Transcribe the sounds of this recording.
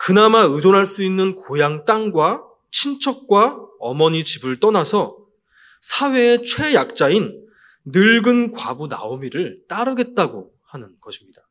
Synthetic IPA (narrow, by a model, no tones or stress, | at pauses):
kɯnamaɯd͡ʑonɦaɭs͈uinːɯnkojaŋt͈aŋɡwa | t͡ɕʰint͡ɕʰʌk̚k͈waʌmʌɲit͡ɕibɯɭt͈ʌnasʰʌ | sʰawe̞ːt͡ɕʰwe̞jak̚t͡ɕ͈ainː | ɯɭɡɯnkwabuna̰omiɾɯɭt͈aɾɯɡe̞t̚t͈aɡo | hanɯnɡʌɕʰimɲida